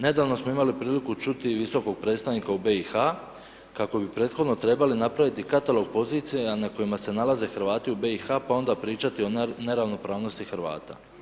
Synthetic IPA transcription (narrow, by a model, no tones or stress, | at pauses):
ne̞d̪aːʋno̞smo̞imalipɾiːlikut͡ʃut̪iʋiso̞ko̞ɡ̚pɾe̞ːt̪st̪aʋnikaube̞ixa | kako̞bipɾe̞ːt̪xo̞d̪no̞t̪ɾe̞balinapɾaʋit̪ikat̪alo̞ɡ̚po̞ziːt̪sianako̞jimase̞nalaze̞xɾ̩ʋaːt̪iube̞ixapao̞nd̪apɾiːt͡ʃat̪io̞ne̞ɾaʋno̞pɾaːʋno̞st̪ixɾʋa̰ːt̪a̰